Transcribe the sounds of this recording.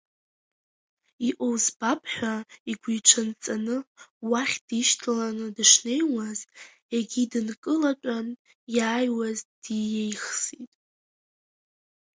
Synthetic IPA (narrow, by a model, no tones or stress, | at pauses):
iʔowzbapʰʼħʷᶣaiɡʷijʈ͡ʂʷʰant͡sʼanɨwaχʲd̥iʃtʰlanɨdɨʂne̞jwazt | eɡʲidɨnkʼɨlat͡ʃʷʼan | jaːjwazd̥ijejχsitʼ